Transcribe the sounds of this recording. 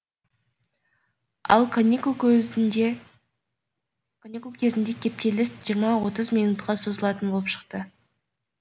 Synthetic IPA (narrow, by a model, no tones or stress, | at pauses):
ɑ̰lˠkʰonʲikulˠkʲ | kʰonʲikulˠkʲʰe̞zɪnd̪e̞kʲʰe̞p̚t̪e̞lɪst̪ʒ̥ijəɾmɑwo̞t̪əzmijnut̪qʰɑso̞zəlˠɑt̪ənbo̞lˠəpʃə̥qt̪ə